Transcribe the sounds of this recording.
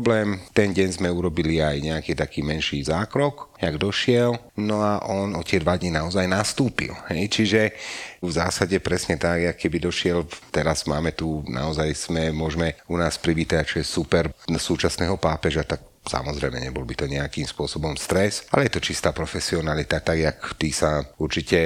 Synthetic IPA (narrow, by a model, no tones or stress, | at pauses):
blɛːmt̪ɛnɟɛɲzmɛuɾɔbiliajɲɛakiːt̪akiːmɛnʃiːzaːkɾɔkaɡd̪ɔʃɪɛl | nɔaʔɔnɔt̪ɪɛd̪ʋad̪ɲinaɔzajnast̪uːpḭlhɛjt͡ʃiʒɛvzaːsaɟɛpɾɛsɲɛt̪aɡjakkːɛbid̪ɔʃɪɛlt̪ɛɾaz̥maːmɛt̪unʔa̰ɔzajsmɛmʊɔʒmɛunaːspɾibiːt̪aat͡ʃɔjɛsupɛɾsuːt͡ʃasnɛːɦɔpaːpɛʒat̪ak̚ | sa̰mɔzɾɛjmɛ̰ɲɛbɔlbit̪ɔɲɛakiːmspʊɔsɔbɔmst̪ɾɛsa̰lɛjɛt̪ɔt͡ʃist̪aːpɾɔfɛsiɔnalit̪at̪aɡjakt̪iːsauɾt͡ʃicɛ